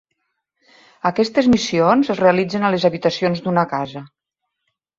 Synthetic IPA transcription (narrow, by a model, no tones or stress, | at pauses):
əkɛst̪ezmisionzəzreəlid͡zenalezaβit̪əsionzd̪unəkazə